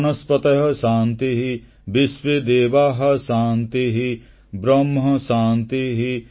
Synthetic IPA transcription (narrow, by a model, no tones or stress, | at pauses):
nɐspɐt̪ɐɦɐ̆ʃaːnt̪iɦi | bɪʃʋed̪eːʋaːɦɐ̆ʃaːnt̪iɦi | bɾɐmɦɐʃaːnt̪iɦi